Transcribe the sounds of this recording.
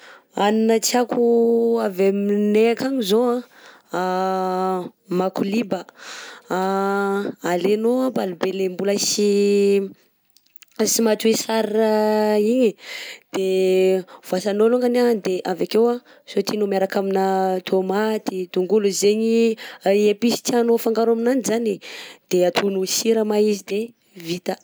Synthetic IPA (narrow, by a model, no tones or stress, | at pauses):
aninət͡siakuavamineakaɲizoa | a | makulibə | a | alenobalubelembuləsi | simat̪uesaɾaiɲid̪̥e | v̥asanoluŋɡanad̪eʔavakewa | sot̪inomaɾakaminət̪ʰomat̪id̪uŋɡuluzeɲi | episi̥t̪ianofaŋɡaɾaminanizanid̪̥eat̪ʰonusiɾəmaizid̪e | vit̪ə